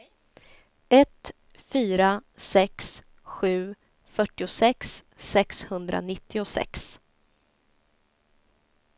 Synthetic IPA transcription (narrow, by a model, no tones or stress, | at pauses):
ɛt̪ | fyːɾasɛks | ɧʉ̟ː | fœʈːɪʊsɛkssɛkshɵnd̪ɾa̰nɪt̪ʰːɪʊsɛ̰ks